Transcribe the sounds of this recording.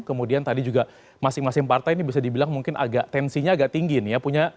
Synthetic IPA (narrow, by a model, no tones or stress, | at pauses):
kəmudiant̪adid͡ʒuɡa | masɪŋmasɪŋpart̪ajnibis̬adibilaŋmuŋkɪnʔa̰ɡaʔ̚t̪ɛnsiɲaːɡaʔt̪iŋɡinɪjapuɲa